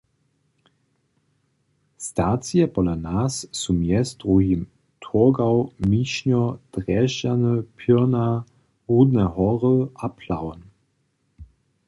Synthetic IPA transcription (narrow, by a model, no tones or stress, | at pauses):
stat͡siɛpɔlanasːumjɛsd̪̥ʁuɦim | tʰuɡawmiɕɲɔd̥ʁɛʃanəpʰina | ʁud̪nɛɦɔʁəapʰlawn